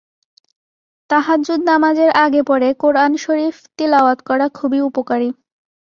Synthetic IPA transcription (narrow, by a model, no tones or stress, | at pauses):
t̪aɦad̪d͡ʑud̪namad͡ʑeɾʔaɡepɔɾekoɾanʃoɾift̪ilaoat̪kɔɾakʰubiupokaɾi